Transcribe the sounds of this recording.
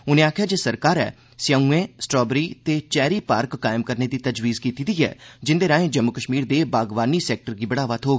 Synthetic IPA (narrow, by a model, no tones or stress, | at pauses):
ʊnẽːaːkʰjaːd͡ʒeːsəɾkaːɾɛ̰ː | sjaũːẽːsʈɾɔːbɾiːt̪eːt͡ʃɛːɾiːpaːɾkːaːɪmkəɾneːd̪iːt̪əd͡ʒʋiːzkiːt̪iːd̪iːɛ̰ːd͡ʒɪnd̪eːɾãːẽːd͡ʒəmːʊkəʃmiːɾd̪eːbaːɡʋaːniːsɛːk̚ʈəɾɡiːbəɽaːʋət̪ʰɦoːɡ